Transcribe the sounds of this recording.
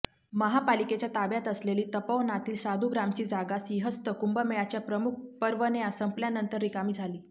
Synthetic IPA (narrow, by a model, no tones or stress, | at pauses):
məɦapaliket͡ɕjat̪abjat̪əsleliːt̪əpəʋnat̪iːlsad̪ʱuɡɾamt͡ɕiːd͡zaɡasiɦəst̪əkumbəmejat͡ɕjapɾəmuk̚ʰpəɾʋəneasəmpljanənt̪əɾːikamiːd͡zʱaliː